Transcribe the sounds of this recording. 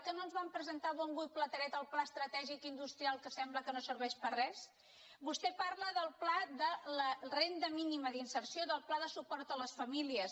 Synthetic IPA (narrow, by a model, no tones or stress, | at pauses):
kənoənzβampɾəzənt̪aβɔŋɡuj̚plət̪əɾɛt̪əlˠplaəst̪ɾət̪ɛʒikind̪ust̪ɾialˠkəsɛmbləkənosəɾβɛʃpərɛs | bust̪ɛpaɾləðəlˠplaðələrend̪əminiməðinsəɾsioðəlˠplaðəsupɔɾt̪ələsfəmiliəs